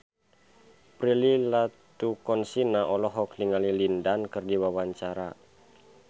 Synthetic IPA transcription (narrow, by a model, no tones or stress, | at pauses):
pɾililat̪ukɔnsinaʔɔlɔɦɔkniŋalilindankɨrdiwawaɲt͡ʃaɾa